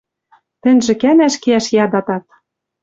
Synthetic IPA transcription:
t̪ɘ̆nʲʒɘ̆kænæʃkeæʃjɑd̪ɑt̪ɑt̪̚

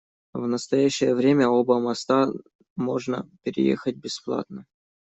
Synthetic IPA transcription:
vnəst̪ɐjæɕːɪjəvɾʲemʲəobəmɐst̪a | mo̞ʐnə̰pʲɪɾʲɪ̰jḛxət̚ʲbʲɪsplˠa̰t̪̚nə

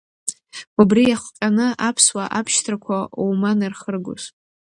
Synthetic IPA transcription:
ubrijaχʷqʲʼanɨʔapʰswaʔapʰʃtʰrakʷʰaowmanɨrχərɡo̰s

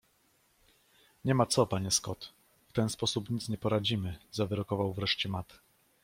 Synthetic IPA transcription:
ɲɛmat̪sɔpaɲɛskɔt̪ | ft̪ɛnspɔsupɲit̪sɲɛpɔɾad͡ʑimɘzavɘɾɔkɔvawvɾɛʂt͡ɕɛmat̪

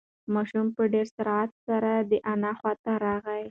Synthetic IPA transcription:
mɑʃumpəɖeɾsaɾat̪saɾad̪əʔanaxwɑt̪aɾɑɣaj

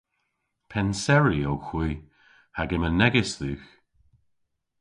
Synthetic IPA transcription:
pʰɛnsɛɹiowxwiː | haɡɪmənɛɡɪsðuːx

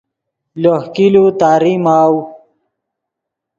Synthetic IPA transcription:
lohkilut̪aːɾimaw

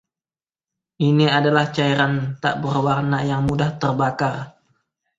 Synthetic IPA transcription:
ʔiniadalaht͡ʃaiɾant̪a̰ʔbərwarnajaŋmudaht̪ərbakar

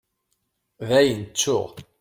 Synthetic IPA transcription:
ðæjənt͡sːʊ̰ʁ

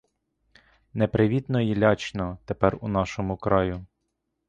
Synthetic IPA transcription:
nepɾɪʋʲit̪nɔjilʲɑt͡ʃnɔt̪epɛrunɑʃɔmʊkɾɑjʊ

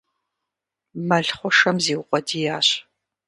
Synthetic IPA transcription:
mɐɮχʷɔʂɐmziːwʊqʷʼɔdiːjaːɕ

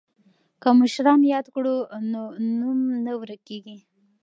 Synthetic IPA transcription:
kəmʊʃɾɑnjɑd̪kɽunonumnawɾəkːeɡi

